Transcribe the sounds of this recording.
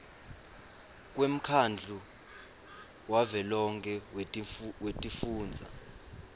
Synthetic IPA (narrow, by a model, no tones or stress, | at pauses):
k̬ʼwem̩kʰand͡ɮʱu | wavɛlɔŋkʰɛ | wetʼifuːnd͡zʱa̰